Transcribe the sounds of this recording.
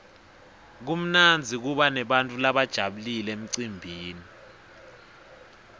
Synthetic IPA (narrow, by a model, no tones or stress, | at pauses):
k̬um̩nand͡zʱik̬uɓanɛɓantʼulaɓad̥ʒ̥ʱaɓulilem̩ǀimbʱiːni